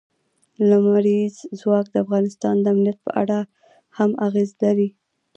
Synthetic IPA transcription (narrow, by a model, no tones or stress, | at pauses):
lamaɾizzwɑk̚d̪əafɣɑnɪst̪ɑnd̪əamnijat̪̚pə̰ʔa̰ɽa | hamaɣezlaɾi